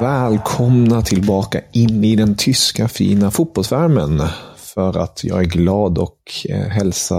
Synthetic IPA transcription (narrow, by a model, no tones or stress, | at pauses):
vɛːlkʰɔmnat̪ʰɪlbɑːka̰ʔɪnːɪd̪ɛnt̪ʰʏskafḭːnafut̪̚bɔlsvæɾmənfœɾa̰t̪ʰjɑ̰ːɡæɾɡlɑːd̪ɔkɦɛlsa